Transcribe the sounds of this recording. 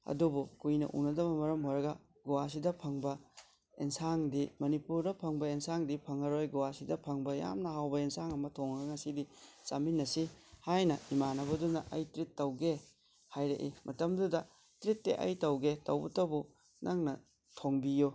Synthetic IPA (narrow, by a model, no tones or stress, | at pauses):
ɐ̰dubukujnɐ̰ʔṵnɐdɐbɐmɐɾɐmɦojɾɐɡɐ | ɡuwas̬idɐpʰɐŋbɐ | ensaŋdimɐnipuɾdɐpʰɐŋbɐensaŋdipʰɐŋɐɾojɡuwasidɐpʰɐŋbɐja̰mnɐɦawbɐensaŋɐmɐtʰoŋɐɡɐŋɐsidit͡ʃaminːɐsihajnɐimanɐbɐdunɐʔɐjtɾitːɐwɡe | hajɾeʔimʔɐtɐmdudɐ | tɾitːḛʔɐ̰jtɐwɡetɐ̰wbutɐwbu | nʔaŋnɐ | tʰoŋbiju